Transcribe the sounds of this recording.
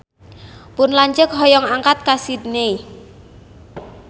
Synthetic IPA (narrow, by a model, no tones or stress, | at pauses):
pʊnlaɲd͡ʒək̚ɦɔjɔŋaŋkat̪̚kasid̪nei